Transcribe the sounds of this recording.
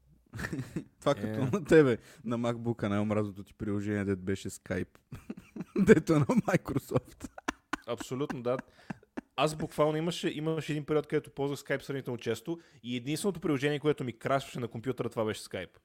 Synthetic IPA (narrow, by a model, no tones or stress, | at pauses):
t̪ovakɐt̪ɔnɐt̪ɛβɛnɐmakbukɐnajomɾaznot̪ot̪i̥pɾilˠoʒɛniɛd̪ɛt̪bɛʃɛskajp | d̪ɛt̪oɛnɐmajkɾosɔft̪ɐpsolʲut̪nod̪a | azbukvalˠnoiməʃɛʔiməʃɛɛd̪inpɛɾiɔt̪̚kəd̪ɛt̪ʊpɔlˠzvəxskajpsɾɐvnit̪ɛmt͡ʃɛst̪oiɛd̪inst̪vɛnot̪oʊpɾʲilˠoʒɛnʲiɛkoɛt̪ʊmikɾasvə̥ʃɛnɐkompʲjut̪əɾət̪ovabɛʃɛ̥skajp